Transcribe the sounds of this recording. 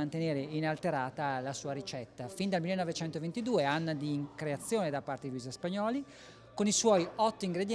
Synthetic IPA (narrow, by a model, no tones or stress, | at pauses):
ant̪eneːɾeinalt̪eɾaːt̪alasuːaɾit͡ʃɛt̪ːafind̪almilːenːɔvet͡ʃɛnt̪ovent̪id̪uːeanːad̪iŋkɾeat̪sːjoːned̪apːart̪ed̪iluizaspaɲɔːli | koniswɔjɔt̪ːoiŋɡɾed̪j